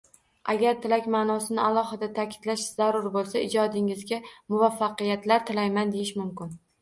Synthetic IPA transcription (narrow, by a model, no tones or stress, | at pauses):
ʔaɡʲaɾt̪ʰɪlakʲmaːnɒsɪnɪalˠɒhɪd̪at̪ʰakʲʰɪ̥d̪̥laʃz̥aɾʊɾbolˠsaɪd͡ʒɒd̪ɪŋɪzɡʲamʊvafːɑqɨjat̪laɾt̪ʰɪlajmand̪e̞jɪʃmʊmkʲɪn